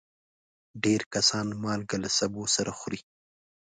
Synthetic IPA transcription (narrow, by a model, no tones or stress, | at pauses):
ɖeɾkasɑnmɑlɡalasabosaɾʔaxʊɾi